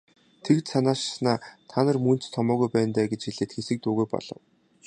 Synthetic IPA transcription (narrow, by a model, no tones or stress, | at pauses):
t̪ʰekt̪sanaːʃsnaːt̪ʰanə̆rmun̥t͡st̪ʰːɔmɔːɣujpæːnt̪æːɡet͡ɕxeɮĕːt̪xesɘ̆k̚t̪uːɣujpɔ̰ɮ̥ɞ̆w